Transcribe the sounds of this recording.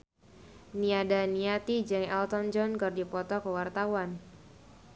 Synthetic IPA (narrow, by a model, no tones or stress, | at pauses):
niadaniat̪id͡ʒɨŋɛlt̪ɔnd͡ʒɔnkərdipɔt̪ɔkəwart̪awan